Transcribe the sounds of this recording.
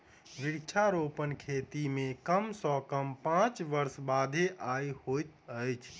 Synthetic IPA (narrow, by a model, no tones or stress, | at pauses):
ʋiɽt͡ʃʰaɾopənkʰet̪imẽkəmsɔkəmpãt͡ʃʋəɾsbad̪ʱeʔajhojt̪əjt͡ʃʰ